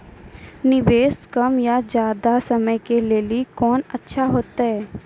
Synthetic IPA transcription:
nɪbeːskɐmjad͡ʒjaːd̪asɐməjkeleːlikɔːnɐtːʃʰaɦoːt̪aɦɛː

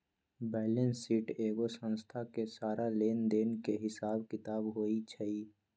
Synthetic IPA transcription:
bɛːlə̃nsiːʈeːɡosə̃nst̪ʰakesaːɾaleːnd̪eːnkeɦɪsaːbkɪt̪aːbɦoːit͡ʃʰəiː

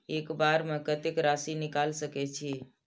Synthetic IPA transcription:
ekbaɾmekət̪ekɾasinikalsəkɛt͡ʃʰi

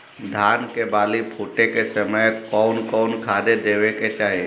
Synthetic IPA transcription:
d̪ʱaːnkebaːlipʰuːʈekesəməjkɔːnkɔːnkʰaːd̪ed̪eːʋeket͡ʃaːɦie

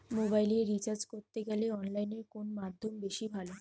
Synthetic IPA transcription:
mobajleɾit͡ɕaɾd͡ʑkoɾt̪eɡɛleɔnlajneɾkonmad̪ʱːombeʃibʱalo

